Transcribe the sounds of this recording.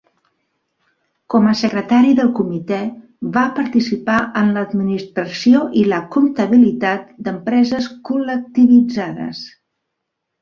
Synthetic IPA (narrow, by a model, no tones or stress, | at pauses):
kɔməsəkɾət̪aɾiðəlˠkumit̪ɛ | βapəɾt̪isipaʔənləːd̪minist̪ɾəsioʔiləkunt̪əβ̞ilit̪at̪̚d̪əmpɾɛzəskulək̚t̪iβid͡zaðə̰s